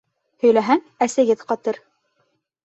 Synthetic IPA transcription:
hɵ̆jlæɦæŋ | æsæ̆ɡɘðqɑt̪ɤɾ

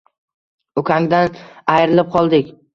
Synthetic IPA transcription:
ʊkʲʰaŋd̪anajɾɪlɪp̚qʰɒlˠd̪ɪkʲ

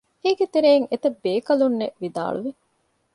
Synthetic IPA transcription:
eːɡet̪eɾeːŋet̪ɐbːeːkɐlunːeʋid̪a̰ːɭuʋi

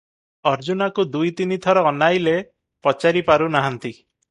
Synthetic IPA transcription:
ɔɾd͡ʒunakud̪ujt̪init̪ʰɔɾɔːnajle | pɔt͡ʃaɾipaɾunaɦant̪i

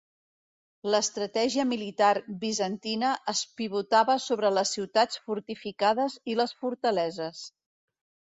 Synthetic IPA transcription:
ləst̪ɾət̪ɛʒiəmilit̪aɾβizənt̪inəʔəspiβ̞ut̪aβəsoβɾələsiwt̪at͡sfuɾt̪ifikaðəziləsfuɾt̪əlɛzəs

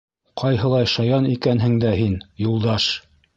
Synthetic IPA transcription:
qʰɑjɦɤ̆lˠɑjʃɑjɑnikænɦɘ̆ŋd̪æhinjulˠd̪ɑʃ

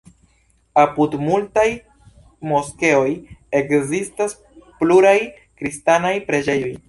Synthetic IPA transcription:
apudmultaj | mo̞ske̞o̞je̞kzistas | pluɾaj | kɾistanajpɾe̞d͡ʒe̞jo̞j

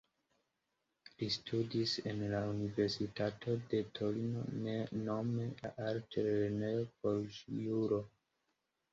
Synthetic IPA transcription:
listʰudise̞nlaunive̞ɾsitatʰo̞de̞tʰo̞lino̞̰neno̞meaɾtʰeɾeneopolʃjuɾo

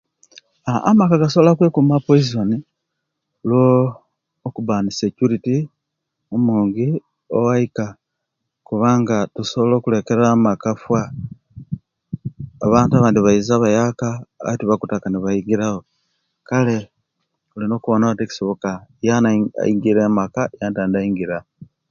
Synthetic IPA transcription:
aamakaɡasoβolakwekumapoizoni | loː | kubaːnisecuɾiti | omuːŋɡi | owaika | kuβaːŋɡatusoβolo̞ːkule̞ke̞ɾamakafwa | βaːntaβaːndiβaizaβajakatuβakutakaniβajiɡiɾaho̞ | kale̞ | olino̞ːkuβonaβateki̥so̞βo̞kajan̰iɡiɾemakajaːntaːndaiŋɡiɾa

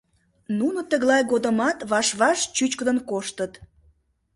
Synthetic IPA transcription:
nunət̪əɣlɑjɣod̪əmɑt̪βɑʃβɑʃt͡ɕyt͡ɕkəd̪ənkoʃt̪ət̪

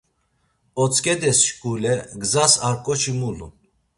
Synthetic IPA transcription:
ɔt͡sʼkʼɛd̪ɛsʃkʼulɛɡzasaɾkʼɔt͡ʃimulṵ

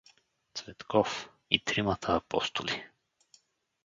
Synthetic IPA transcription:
t̪svɛt̪kɔf | ḭt̪ɾimat̪ʰaːpɔ̰st̪oli

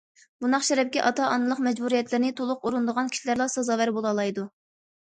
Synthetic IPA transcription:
b̥unɑχʃɛɾɛp̚kʲɛʔɑt̪ʰɑʔɑnɨlˠəqmɛd͡ʒbuɾijɛt̪lɪɾɪnɪt̪ʰolˠʊquɾund̪əʁɑnkʲʰi̥ʃilæɾlˠɑsɑzɑwæɾbolˠɑlˠɑjd̪u

